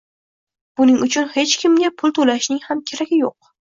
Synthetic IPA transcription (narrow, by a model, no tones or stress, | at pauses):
b̥ʊnɪŋʊt͡ʃʰʊnhe̞t͡ʃkʲʰɪmɡʲapʰʊlˠt̪ʰolaʃnɪŋhamkʲʰe̞ɾaɡʲɪjoq̚